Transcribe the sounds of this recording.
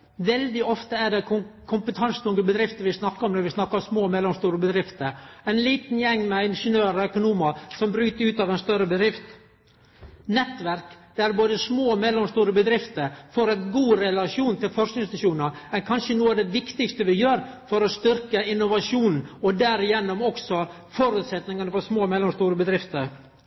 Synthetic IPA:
ʋɛld̪ɪɔft̪əæɖɛkʰʊmpət̪ʰɑnsə̥t̪ʰʊŋɡəbəd̪ɾɪft̪əʋɪsnɑkːəɾɔmd̪ɛʋɪsnɑkːəsmoːmɛlːɔmst̪uːɾəbəd̪ɾɪft̪əɾæɪnliːt̪njɛŋːmɛɪnʂənøːɾɔœkʊnuːməsɔmbɾʉːt̪əɾʉːt̪ɑʋɛɪnst̪œɾəbəd̪ɾɪft̪ | nɛt̪ːʋæɾkd̪̥ɛæɾboːd̪əsmoːmɛlːɔmst̪uːɾəbəd̪ɾɪft̪əɾfɔɾɛɪt̪ɡuːɾɛlɑʂuːnt̪ʰɪlfɔʂknɪŋnst̪əʂuːnəɾɛnkʰɑnʂənuːɑʋd̪ɛʋɪkt̪ɪɡst̪əʋɪjøːɾfɔɾɔst̪ʏɾkəɪnːʊʋɑʂuːnɔd̪æɾɪjɛnːʊmɔksɔ | fɔɾʉːt̪sɛt̪nɪŋɑnəfɔsmoːmɛlːɔmst̪uːɾəbəd̪ɾɪft̪əɾ

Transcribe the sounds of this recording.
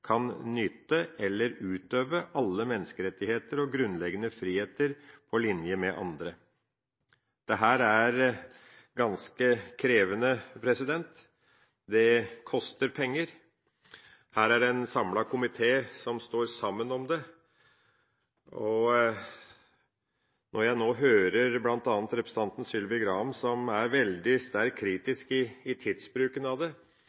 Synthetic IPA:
kʰɑnnʏt̪ːəɛlːəɾʉːt̪øːʋəʔɑlːəmɛnːəskəɾɛt̪ːɪheːt̪əɾɔɡɾʉnlɛɡənəfɾiːheːt̪əɾpʰɔlɪnjəmɛʔɑ̰nd̪ɾə | d̪̥ɛɦæːɾæɾ | ɡɑnskəkʰɾeːʋənəpʰɾɛsɪd̪ɛnt̪ | d̪ɛkʰɔst̪əɾpʰɛŋːəɾ | hæːɾæɖɛnsɑmlɑkʰʊmɪt̪ʰeːsɔmst̪oːɾsɑmːənɔmd̪ɛ | ɔ | nɔɾjæɪnoːɦøːɾəɾblɑnt̪ɑːnət̪ɾɛpɾəsət̪ɑnt̪n̩sʏlʋɪɡɾɑːmsɔmæɾʋɛld̪ɪst̪æɾkʰːɾiːt̪ɪskɪːt̪ʰɪd̪sbɾʉːkənɑʋd̪ɛ

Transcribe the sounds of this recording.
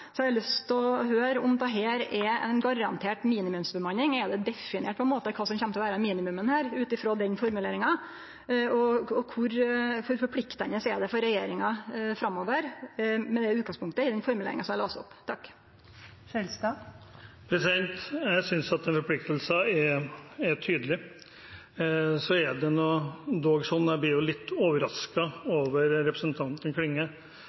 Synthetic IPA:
sɔɛɑlʉst̪ʰɔɦøːɾɔmd̪ɛɦeːɾɛɛ̰nɡɑɾɑnt̪ʰeːʈmiːnɪmʉmsbəmɑnːɪŋɛd̪ɛd̪ɛfɪnɪɛːʈ̚pʰɔɛnmoːt̪əɛkʰɑːsɔmçɛmt̪ɔʋæːɾəmiːnɪmʉmənhæːɾʉːt̪ɪfɾoːd̪ɛnfɔɾmʉleːɾɪŋɑ | ɔɔkʰʊɾfɔɾfɔɾpʰlɪkt̪ənəsɛːɖɛfɔɾɛjeːɾɪŋɑfɾɑmːoːʋəɾmɛnd̪ɛʉːt̪kɑŋspʰʊŋkt̪əɪd̪ɛnfɔɾmʉlḛːɾɪ̰ŋɑsɔmælɑːst̪ɔ̰pːt̪ʰɑkː | sɛlskɑːp | pʰɾɛsɪd̪ɛnt̪jæɪsʏnsɑt̪ɛnfɔɾpʰlɪk̚t̪əlsəɛɛt̪ʰyːd̪əlɪ | sɔɛɖɛnɔd̪oːɡsɔnd̪æb̪ɪːɾjʊlɪt̪ːoːʋəɾɑskɑoːʋəɾɾɛpɾəsənt̪ʰɑnt̪n̩kʰlɪŋːə

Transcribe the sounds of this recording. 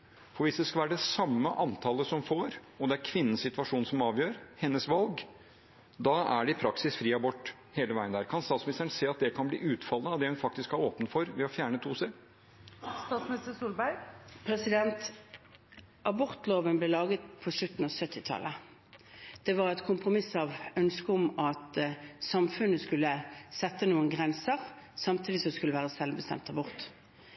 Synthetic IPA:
fɔɾʋɪsd̪ɛskɑlʋæːɾəɖ̪ɛsɑmːəʔɑnt̪ʰɑːləsɔmfoːɾɔd̪ɛæɾkʰʋɪnːənsɪt̪ʉʋɑʂuːnsɔmɑːʋjøːɾhɛnːəsʋɑlɡ | d̪ɑæɖɛɪpʰɾɑksɪsfɾiːɑbɔʈː | heːləʋæɪənd̪æːɾkʰɑnst̪ɑːt̪smnɪst̪əɳ̩seːɑt̪̚d̪ɛkʰɑnblḭːʔʉːt̪fɑlːəɑʋd̪ɛhʉnfɑk̚t̪ɪskhɑɾoːpənfɔɾʋɛɔfjæːɳət̪ʰuːsə | st̪ɑːt̪smɪnɪst̪əsuːlbæɾɡpʰʁɛsɪd̪ɛnt̪ | ʔɑbɔʁt̪loːʋənblɛlɑːɡət̪̚pʰɔʂlʉt̪n̩ɔsœt̪ʰːɪt̪ʰɑ̰lːə | d̪̥ɛʋɑʁɛt̪kʰʊmpʁʊmɪsɑʋœnskəʊmɑt̪sɑmfʉnːəskʉlːəsɛt̪ːənuːənɡʁɛnsəʁ | sɑmt̪ʰiːd̪ɪsɔskʉlːəʋæːʁəsɛlbəst̪ɛ̰mt̪ɑbɔʁt̪

